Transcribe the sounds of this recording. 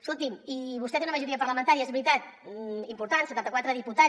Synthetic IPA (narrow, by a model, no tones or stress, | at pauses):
sulˠt̪imiβust̪ɛt̪eunəməʒuɾiəpəɾləmənt̪aɾiəezβɾit̪at̪̚impuɾt̪ansət̪ant̪əkwat̪ɾəðiput̪a